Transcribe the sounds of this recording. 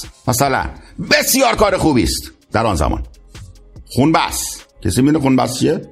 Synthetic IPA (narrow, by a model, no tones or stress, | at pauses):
mæsælæ̰nbesjɒːɾkɒːɾexuːbiːst̪d̪̥æɾɒːnzæ̰mɒ̰ːn | xunbæ̰skʰesiminexunbæ̰st͡ʃʰie